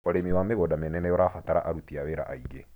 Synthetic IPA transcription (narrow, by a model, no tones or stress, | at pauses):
ɔɾemiwameɣɔdamenɛnɛjɔɾafataɾa̰ʔaɾutiaβeɾa̰ʔaiɡe